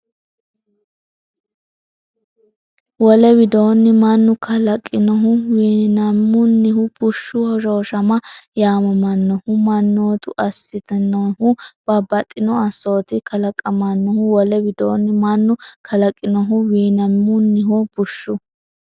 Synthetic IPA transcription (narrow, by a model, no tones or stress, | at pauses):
wɔlɛbɪd̪o̞ːnːɪmɐnːʊkɐlɐkʼːɪnɔɦʊwiːnɐmːʊnːɪɦʊb̥ʊʃːʊhɔʃo̞ːʃɐmɐjaːmɐmɐnːɔhʊmɐnːoːt̪ʊʔɐsːɪt̪ɛnɔhʊb̥ɐbɐt̪ʼːɪnɔɐsːoːt̪ɪkɐlɐkʼɐmɐnːɔhʊwɔlɛwɪd̪oːnːɪmɐnːʊkʰɐlɐkʼːɪnɔɦʊwiːnɐmːʊnːɪɦʊb̥ʊʃːʊ